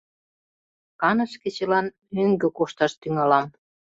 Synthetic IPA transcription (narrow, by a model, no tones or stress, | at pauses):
kɑnə̆ʃkĕt͡ɕĕlɑn | øŋɡøkoʃt̪ɑʃt̪yŋɑlɑm